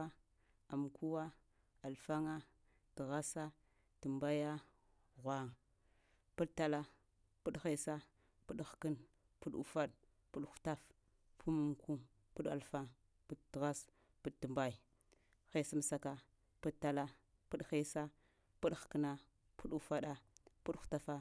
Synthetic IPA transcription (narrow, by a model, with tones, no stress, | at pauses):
a˦ | a˨m˨ku˦wa˦ | a˨lfa˦ŋa˦ | ti˨ɣa˦sa˦ | tə˨mba˦ja˦ | ɣʷa˦ŋ˨ | pu˦ɗtːa˦la˦ | pu˦ɗxe˦sa˦ | pu˦ɗxkə˦n | pu˦ɗṵ˨fa˦ɗ | pu˦ɗxu̥˨˦ta˦f | pʰu˦mu˨mku˦ | pu˦ɗa̰˨lfa˦ŋ | pu˦dtɣa˦s | pu˦dtu˨mba˦i˨ | xe˦˨si˦m˨sa˨ka˦ | pu˦dtːa˦la˦ | pu˦ɗxe˦sa˦ | pu˦ɗxkə˦na˨ | pu˦ɗu˨fa˦ɗa˦pu˦ɗxu̥˨ta˦fa˦